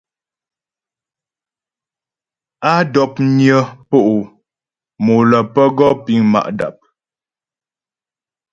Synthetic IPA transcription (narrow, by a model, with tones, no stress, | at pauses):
a˦dɔ˨p̚njə˦po˦ʔu˨ | mo˨lə˨pə˦ɡɔ˦pi˦ŋma̰˨ʔda̰˨p̚